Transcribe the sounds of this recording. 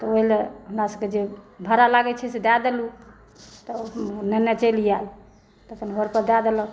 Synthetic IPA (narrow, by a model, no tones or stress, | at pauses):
t̪ɔoileɦumɾasəb̚ked͡ʒebʱəɾalaɡɛt͡ʃʰɛsed̪ad̪elu | t̪ɔnənət͡ʃəlijal | t̪əkʰənɦəɾpəɾd̪ad̪elɔ